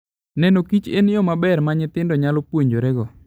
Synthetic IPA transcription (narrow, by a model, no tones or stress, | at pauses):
nɛnokit͡ʃenjɔmabɛrmaɲɪt̪ɪndɔɲalopwoɲd͡ʒoɾɛɡɔ